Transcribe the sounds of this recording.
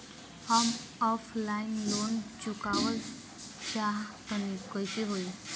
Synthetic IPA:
hɔmɔflainlont͡ɕukaʋə | t͡ɕak̪ənikəjt͡ɕiɦoi

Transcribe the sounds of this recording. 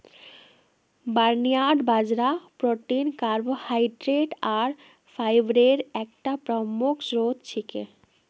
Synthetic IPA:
baɾnijaɖbad͡ʑɾapɾoʈinkaɾbohajɖɾeʈaɾ | fʰajbɾeɾɛk̚ʈapɾɔmukʰsɾod̪t͡ɕʰikḛ

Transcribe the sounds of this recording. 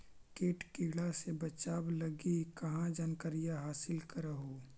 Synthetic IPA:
keːʈkiːɽasebɐt͡ʃaːblɐɡikɐɦãd͡ʒɐnkəɾijaɦaːsɪlkɐɾəɦoː

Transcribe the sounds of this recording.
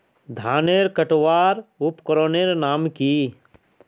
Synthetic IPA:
d̪ʱaːneːɾkəʈʋaːɾʊpkəɾoːneɾnaːmki

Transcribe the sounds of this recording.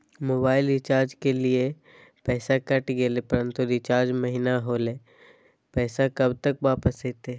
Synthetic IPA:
moːbaːɪlɪt͡ʃaːɾd͡ʒkelie | pɛːsakɐʈɡelepɐɾə̃nt̪uɾɪt͡ʃaːɾd͡ʒmɐɦinaɦoːleː | pɛːsakɐbt̪ɐkʋaːpəseːt̪eː

